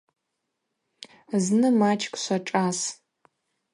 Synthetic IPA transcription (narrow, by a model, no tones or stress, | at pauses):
znɨmat͡ʃʰkʷʼʃʷaʈ͡ʂʼas